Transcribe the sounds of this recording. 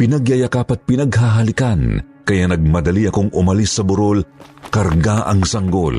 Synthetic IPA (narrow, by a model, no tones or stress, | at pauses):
pɪnɐɡjɐjɐkapɐt̪̚pɪnɐɡɦaɦɐlɪkan | kɐjanɐɡ̚mɐd̪ɐliɐkoŋʊmɐlisːɐbʊɾo̞l | kɐɾɡaʔɐ̰ŋsɐŋɡo̞l